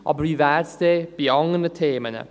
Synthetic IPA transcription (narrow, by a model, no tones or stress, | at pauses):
ɔ̰bɾiːvarsd̥eːb̥iɔŋənətʰeːmənə̰